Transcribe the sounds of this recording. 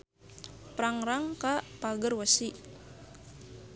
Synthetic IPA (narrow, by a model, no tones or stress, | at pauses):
pɾaŋɾaŋkapaɡərwəsi